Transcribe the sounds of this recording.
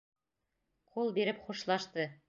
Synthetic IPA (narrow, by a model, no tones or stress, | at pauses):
qʰulˠbiɾɘpχuʃlˠɑʃt̪ɤ